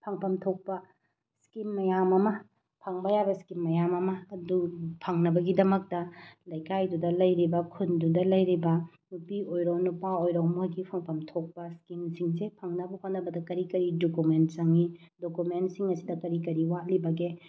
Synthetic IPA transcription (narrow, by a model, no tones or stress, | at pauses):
pʰɐŋpʰɐmtʰok̚pɐ | skimːɐjamɐmɐ | pʰɐŋbɐjabɐskimːɐjamɐmɐːdupʰɐŋnɐbɐɡidɐmɐk̚tɐlɐjkajdudɐlɐjɾibɐkʰundudɐlɐjɾibɐ | nupiojɾownupaojɾowmoɡipʰɐŋpʰɐmtʰok̚pɐskimsiŋsepʰɐŋnɐbɐhot̚nːɐbɐdɐkɐɾikɐɾidokument̚t͡ʃɐŋidokumentsiŋɐsidɐkɐɾikɐɾiwalibɐɡe